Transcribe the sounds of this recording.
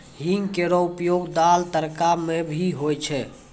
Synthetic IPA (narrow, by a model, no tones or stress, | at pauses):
ɦiŋɡkeɾɔupjoɡd̪alt̪əɾkamebʱiɦojt͡ʃʰɛ